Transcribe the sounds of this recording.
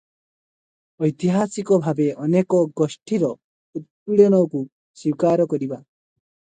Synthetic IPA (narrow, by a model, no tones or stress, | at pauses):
ɔjt̪iɦasikɔbʱabeʔɔnekɔɡɔsʈiɾɔ | ut̪̚puɭjɔñɔku | siwkaɾɔkɔɾiba